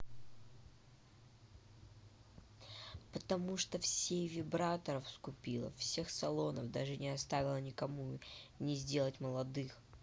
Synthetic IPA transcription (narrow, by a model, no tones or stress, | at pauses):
pət̪ɐmuʂt̪ofsʲejvʲɪbɾat̪əɾəfskʊpʲilˠə̰fsʲe̞xsɐlˠo̞nə̰vd̪aʐɨnʲɪɐst̪avʲɪlˠənʲɪkɐmunʲɪzʲdʲe̞lˠətʲməlˠɐd̪ɨx